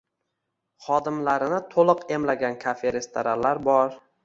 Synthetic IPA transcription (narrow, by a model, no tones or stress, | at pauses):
χɒd̪ɪmlaɾɪnɪt̪ʰolˠɨqe̞mlaɡʲankʲʰafeɾest̪ʰaɾalaɾbɒɾ